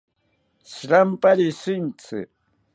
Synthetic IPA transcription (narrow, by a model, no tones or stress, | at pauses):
sɾampaɾɪsɪnt͡sɪ̰